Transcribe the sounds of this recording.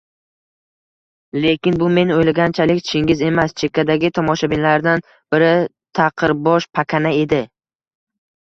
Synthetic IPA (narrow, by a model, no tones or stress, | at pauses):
le̞kʲɪnbʊme̞nojlaɡʲant͡ʃʰalɪkʲt͡ʃʰɪŋʲɪze̞mast͡ʃʰe̞kʲʰːad̪aɡʲɪt̪ʰɒmɒʃabɪnlaɾd̪an | b̥ɪɾɪ | t̪ʰaqʰɨɾbɒʃpʰakʲʰanae̞d̪ɪ